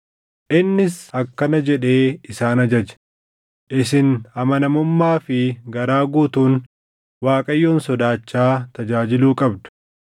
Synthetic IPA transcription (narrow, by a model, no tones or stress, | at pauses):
ʔɪnːɪsɐkːɐnɐd͡ʒɛᶑe̞ːɪsaːnɐd͡ʒɐd͡ʒɛ̥ | ʔɪs̬ɪnhɐmɐnɐmʊmːaːfɪɡɐɾaːɡuːt̪uːn | waːkʼɐjːoːnsɔd̪aːt͡ʃːaːt̪ɐd͡ʒaːd͡ʒɪluːkʼɐbd̪ʊ̥